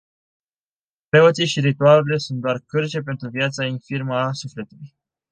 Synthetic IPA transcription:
pɾe̞o̞t̪siʃiɾit̪ualele̞sunt̪̚d̪oarkɨrt͡ʃe̞p̬e̞nt̪ɾuvjat̪sainfirməasufle̞t̪uluj

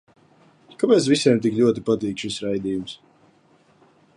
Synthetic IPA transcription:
kapɛːt̪svisɛɛmt̪ikʎʲuɔt̪ipat̪iːkʃisɾajd̪iːjums

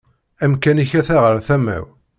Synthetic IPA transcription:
æmkæniçæθæʁəɾθæmæ̰w

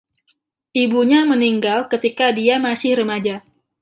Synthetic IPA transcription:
ʔibuɲaməniŋɡalkət̪ikadiamasɪhɾəmad͡ʒa

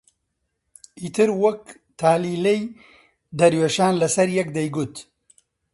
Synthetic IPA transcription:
ʔiːt̪ʰɨɾwɐk̚ | t̪ʰaːliːlɛj | d̪ɐɾweːʃaːnlɐsɐɾjɛk̚d̪ɐjɡʊt̪

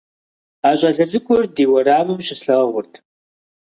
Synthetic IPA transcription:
aːɕʷʼɐɮɐzɨkʷʰʼʊrdiːwɐraːmɨmɕɪsɬɐʁɐʁʷʊrtʰ

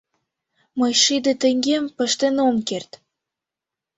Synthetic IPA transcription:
mɤjʃid̪ĕt̪ĕŋɡempə̆ʃt̪enomkert̪

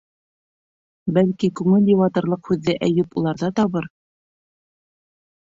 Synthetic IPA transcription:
bælkikʉŋɘlʲiwɑt̪ɤ̆ɾlˠɤqhʉðːɘʔæjɘpulˠɑɾðɑt̪ɑβɤɾ

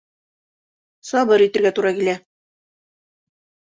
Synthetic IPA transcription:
sɑbɤɾit̪ɘ̆ɾɡæt̪uɾɑkilæ

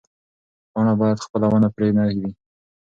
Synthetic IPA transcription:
ɑɳabɑjad̪xpəlawənapɾenahwi

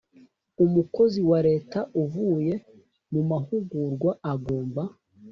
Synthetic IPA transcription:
umuko̞ziwaɾe̞ːtaʔuvuːje̞ | mumahuɡuɾɡwaaɡoːmba

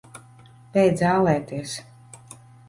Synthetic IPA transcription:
pʲɛjd̪zaːlˠɛːt̪iɛs

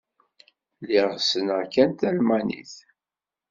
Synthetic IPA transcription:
liʁsənəkænt̪ælmænḭθ

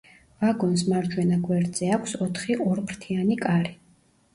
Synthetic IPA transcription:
vaɡɔns̬maɾd͡ʒwɛnaɡwɛɾd̪zɛakʷʰsɔt̪ʰχiʔɔɾpʰɾt̪ʰianikʼaɾi

